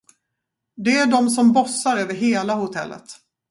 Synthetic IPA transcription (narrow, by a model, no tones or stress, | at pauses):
d̪ɛæɖɔmsɔmbɔsːaɾøːvəɾɦeːlahʊt̪ʰɛ̰lːə̰t̪